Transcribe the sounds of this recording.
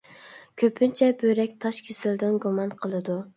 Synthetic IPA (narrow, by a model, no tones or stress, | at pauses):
kʲʰøpʰynt͡ʃʰɛbøɾɛkʲt̪ʰɑʃkʲʰesɪld̪ɪnɡumɑnqʰəlˠɨd̪u